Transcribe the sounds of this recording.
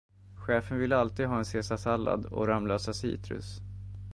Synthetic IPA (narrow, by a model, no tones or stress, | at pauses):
ɧɛːfənvɪlːəalt̪iːd̪ɦɑːɛnseːsasalːa̰d̪ɔ̰ɾamløːsasḭːt̪ɾɵ̰s